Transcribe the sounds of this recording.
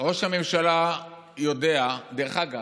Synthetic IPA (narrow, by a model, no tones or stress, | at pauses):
ʁo̞ʃhame̞mʃala | jo̞dead̪eʁχaɡa